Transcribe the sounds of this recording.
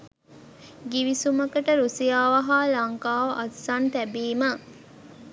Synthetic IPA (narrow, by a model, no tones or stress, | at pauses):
ɡiʋisuməkəʈəɾusijaːʋɐɦaːlɐŋkaːʋɐʔɐsːant̪æbiːmə